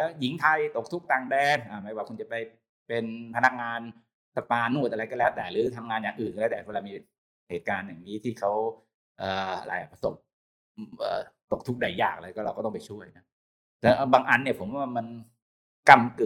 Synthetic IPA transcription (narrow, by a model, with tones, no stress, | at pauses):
lɛː˦˥ji˨˦ŋt̪ʰa˧jt̪o˨˩k̚t̪ʰu˦˥k̚t̪aː˨˩ŋdɛː˧˩nʔaː˧˩ma˦˧˥jwaː˧kʰu˧nt͡ɕa˨˩pa˧j | pe˧npʰa˧na˦˥k̚ŋaː˧n | sa˧paː˧nːu˥˩əʔa˧ɾa˧jkɔ˥˩lɛː˦˥wt̪ɛ̰ː˨˩ɾɯː˨˦t̪ʰa˧mŋaː˧njaː˨˩ŋʔɯː˨˩nkːt̪ɛː˨˩˦la˧miː˧ | heː˨˩t̪̚kaː˧njaː˨˩ŋniː˦˥t̪ʰiː˥˩kʰa˦˥w | ʔəː˨˩a̰˧ɾa˧jʔa˨˩pʰa˧so̰˨˩p̚ | ʔə̰ː˨˩t̪o˨˩k̚t̪ʰu˦˥k̚da˨˩jːa̰ː˨˩k̚la˧jkɔː˥˩ɾa˧kɔ˥˩t̪ɔ˥˨pa˧jt͡ɕʰu˥˩əjna˦˥ | tɛ˧˩ʔbaː˧ŋʔa˧nːi˥˩əpʰo˩˦mwaː˧˩ma˧n | ka˥˩mkɯ˨˩